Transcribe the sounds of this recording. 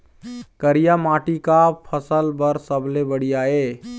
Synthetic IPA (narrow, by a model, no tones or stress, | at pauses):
kəɾijamaʈikapʰəsəlbəɾsəbʱlebəɽ̤ijae